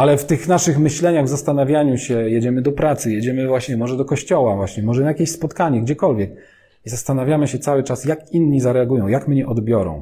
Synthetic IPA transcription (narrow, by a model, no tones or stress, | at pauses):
alɛft̪ɘxnaʂɘxmɘɕlɛɲaɣvzast̪anavʲjaɲuɕɛjɛd͡ʑɛmɘd̪ɔpɾat̪sɘjed͡ʑɛmɘvwaɕɲɛmɔʐɛd̪ɔkɔɕt͡ɕɔwavwaɕɲɛmɔʐɛnajakʲeɕspɔt̪kaɲɛɡd͡ʑɛkɔlvʲjɛk̚ | izast̪anavʲjamɘɕɛt̪sawɘt͡ʂasjakinɲizaɾɛaɡujɔ̃w̃jakmɲɛʔɔd̪bʲjɔɾɔ̰̃w̃